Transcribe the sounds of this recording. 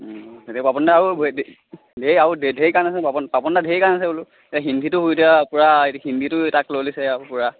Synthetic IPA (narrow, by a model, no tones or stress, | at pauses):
tetiɔpapɔndaːɹubʱd | dʱejaɹudʱedʱejkanasɛpapɔpapɔndadʱejkaɹnasɛulʊ | etaɦindʱitʊɦujdiapʊɹaethindʱitʊtaklolisɛpʊɹa